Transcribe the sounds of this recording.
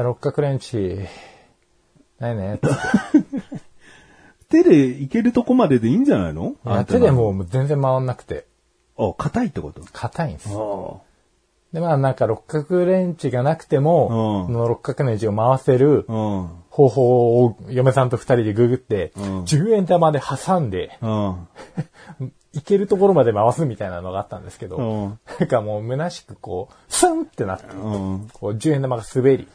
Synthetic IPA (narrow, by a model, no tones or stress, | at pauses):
aɾo̞kːakɯ̟ɾẽ̞ɲt͡ɕi | nainet̪ | t̪ed̪e̞ike̞ɾɯ̟t̪o̞ko̞mad̪e̞d̪eĩːɲd͡ʑana̰ino̰at̪e̞d̪emo̞ːmzẽ̞nd͡zemːaβanːakɯ̟̥t̪e̞̰ | okʰat̪ait̪ːe̞kot̪okʰat̪aĩnso | d̪e̞maːnãŋkaɾo̞kːakɯ̟ɾẽ̞ɲ̟t͡ɕiɡanakɯ̟̥t̪e̞mo̞onoɾo̞kɯ̥kːakɯ̟ɾẽ̞ɲt͡ɕio̞maβase̞ɾɯ̟ | ho̞ːɦo̞ːjome̞sãnt̪o̞ɸɯ̟̥t̪aɾʲid̪e̞ɡɯ̟ɡɯ̟t̪ːe̞d͡ʑɨːẽ̞nd̪amad̪e̞hasãnd̪e̞ | ike̞ɾɯ̟t̪o̞ko̞ɾo̞mad̪e̞maβasɨmʲit̪ainano̞ɡaːt̪ːã̰nd̪esɨ̥ke̞d̪o̞nãŋkamo̞ːmɯ̟naɕi̥kɯ̟̥ko̞ː | sãnt̪ːe̞na̰t̪ːekʰo̞ːd͡ʑɨːe̞nd̪amaɡasɨbe̞ɾʲḭ